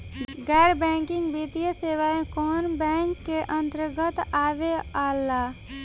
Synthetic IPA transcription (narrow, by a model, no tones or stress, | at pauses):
ɡɛːɾbɛ̃ːŋkɪ̃ŋɡbiːt̪ijəseːʋaːẽkɔːnbɛ̃ːŋkːeʔə̃nt̪əɾɡət̪aːʋeaːlːaː